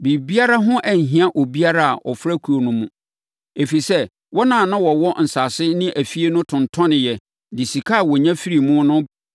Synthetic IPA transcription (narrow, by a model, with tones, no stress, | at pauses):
bi˨bi˦a˦ɾa˦ɦʊ̃˦ʔæ˨ɲ̩˨ɦĩ˨a˦ʔo˨bi˦a˦ɾa˦a̰˨ʔɔ˨fɾa˦kʰu˨o˨nʊ̃˦mũ˦ | e˨fi˨sɛ˦ | wɔ˦nãː˨nã˦wɔ˨wɔ˦n̩˨sa˨sɪ˦nɪ̃˦ʔæ˨fi˦e˦nʊ̃˦tʰʊ̃˨ntʰɔ̃˦nɪ̃˨jɛ˨ | dɪ˨si˨kʰa˦a˨wɔ˨ɲã˦fi˦ɾi˨mʊ̃˦nʊ̃˦